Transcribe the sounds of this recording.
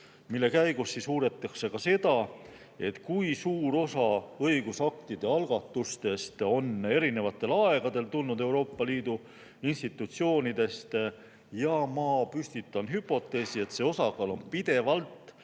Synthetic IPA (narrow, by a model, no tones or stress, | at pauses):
milːe̞kæjɡ̥usːisuːɾe̞t̪ːˑɑkse̞kɑse̞d̪̥ɑ | e̞t̪kujsuːɾo̞sɑɤjɡ̥usɑk̚t̪id̪̥e̞ɑlɡ̥ɑt̪ːˑust̪e̞st̪o̞ne̞ɾine̞vɑt̪ːˑe̞lɑe̞ɡ̥ɑd̪e̞lt̪ulnud̪e̞wɾo̞ːpˑːɑliːd̪u | inst̪it̪ːˑut̪sio̞ːnid̪̥e̞st̪ | jɑmɑpysʲt̪it̪ːˑɑnɦypːˑo̞t̪ːˑe̞ːsie̞t̪se̞o̞sɑɡɑːlo̞npid̪̥e̞vɑlt̪ˑ